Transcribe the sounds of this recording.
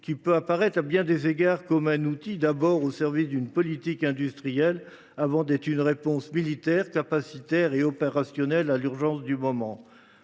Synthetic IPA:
kʲipøapaʁɛt̪χabjɛ̃d̪ezeɡaʁkɔmɛ̃nut̪id̪abɔʁosɛʁvisd̪ynpɔlit̪ikɛ̃d̪yst̪χijɛl | avɑ̃d̪ɛt̪χynʁepɔ̃smilit̪ɛʁkapasit̪ɛʁeɔpeʁasjɔnɛlalyʁʒɑ̃sd̪ymɔmɑ̃

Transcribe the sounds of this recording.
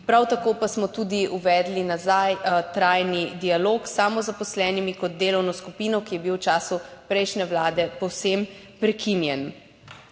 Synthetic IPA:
pɾawt̪akoːpasmɔt̪ud̪iuʋɛːd̪linazajt̪ɾaːjnid̪ialoːksaːmɔzapɔslɛːnimikɔd̪̚d̪eːlɔwnɔskupiːnɔkijɛbiwt͡ʃaːsupɾɛjʃnɛwlaːd̪ɛpɔwsem | pɾɛkʰinjɛn

